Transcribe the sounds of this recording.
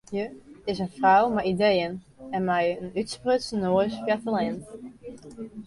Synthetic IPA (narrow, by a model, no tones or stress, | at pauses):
jəɪsənfrawmɛjidejən | ɛnmɛjənytsprøtsənoəsfjɛtəlɪn